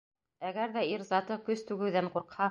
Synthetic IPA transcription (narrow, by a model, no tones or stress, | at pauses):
æɡæɾðæiɾzɑt̪ɤkɵst̪ʉɡɘ̆wðæɴquɾqhɑ